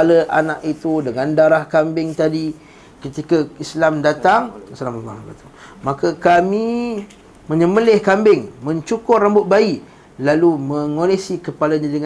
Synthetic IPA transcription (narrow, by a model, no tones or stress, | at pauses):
aləʔanaʔit̪udəŋandaɾahkambɪŋt̪adi | kət̪ikaislamdat̪aŋislamat̪umakakami | mə̃ɲəməlɪhkambɪŋmə̃ɲt͡ʃukʊrambʊt̪̚baiʔ | lalumə̃ŋolesikəpalaɲadəŋ